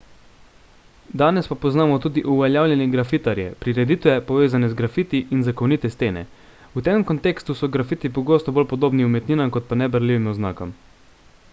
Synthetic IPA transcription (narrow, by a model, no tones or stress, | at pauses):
d̪aːnɛspapɔznaːmɔt̪uːd̪iʔuʋɛljaːwlʲjɛnjɛɡɾafit̪aɾjɛ̰pɾiɾɛd̪it̪ʋɛpɔʋeːzanɛzɡɾafiːt̪iʔinzakɔwnit̪ɛst̪eːnɛ̰ | ut̪emkɔnt̪eːkst̪usɔɡɾafit̪ipɔɡoːst̪ɔbolpɔd̪oːbniumɛt̪niːnamkɔt̪̚panɛbəɾliːʋimɔzna̰ːkɔm